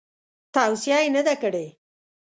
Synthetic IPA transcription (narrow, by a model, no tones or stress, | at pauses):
t̪awsjɑjenad̪akəɽe